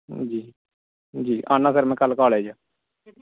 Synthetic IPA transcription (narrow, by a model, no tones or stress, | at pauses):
d͡ʒiː | d͡ʒiːʔaːnãːsəɾmɛ̃ːkəlkaːlɛːd͡ʒaː